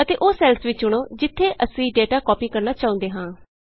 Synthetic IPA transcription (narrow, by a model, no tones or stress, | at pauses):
ət̪eːʔoːsɛːlsʋɪt͡ʃːʊɽ̃oːd͡ʒɪt̪ʰːeːʔəsĩːɖeːʈaːkɔːpiːkəɾnaːt͡ʃaːʊ̃nd̪eːɦãː